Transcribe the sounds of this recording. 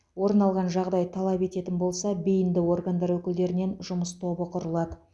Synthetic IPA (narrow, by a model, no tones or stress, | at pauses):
wo̞ɾnɑlˠʁɑnʒɑʁd̪ɑjt̪ʰɑlˠɑpe̞t̪e̞t̪ɪnbo̞lˠsɑbejɪnd̪ɪwo̞rɡand̪ɑɾwɵkʲɪld̪e̞ɾɪne̞nʒʊməst̪ʰo̞bəqʰʊɾəlˠɑd̪ə